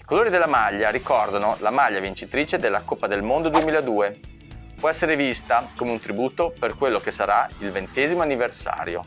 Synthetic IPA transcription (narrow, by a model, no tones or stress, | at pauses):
ikoloːɾid̪elːamaʎːaɾikɔrd̪anolamaʎːavint͡ʃit̪ɾiːt͡ʃed̪elːakopːad̪elmond̪od̪uemiːlaed̪uːe | pwɔɛsːeɾevist̪akomeunt̪ɾibuːt̪operkwelːokesːaɾailvent̪ɛːzimoanːiversa̰ːɾjo̰